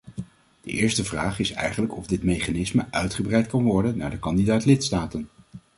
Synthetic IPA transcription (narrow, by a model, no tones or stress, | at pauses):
d̥əʔɪːɹstəvraːχɪsɛ̰jχənləkɔvdɪtmejχanɪsməʔœɥtχəbrɛjt̚kɑnʋɔɹdənːa̰ːɹdəkɑndidaːtlɪtstaːtən